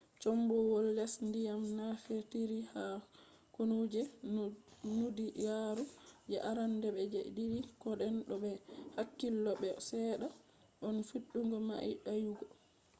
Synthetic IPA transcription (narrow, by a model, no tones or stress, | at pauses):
t͡ʃɔmbɔwɔlːɛsndijamnafeɾtiɾiha | konud͡ʒɛ | nudijaɾud͡ʒɛʔaɾandɛbɛd͡ʒɛdiɾikɔɗɛnɗɔbɛhakːilːɔbɛsɛɗa | ʔɔnfiɗːuŋɡɔma̰ḭɗajuɡɔ